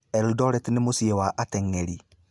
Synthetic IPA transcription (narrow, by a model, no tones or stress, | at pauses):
ɛldɔɾɛtnemosiewaʔatɛŋeɾi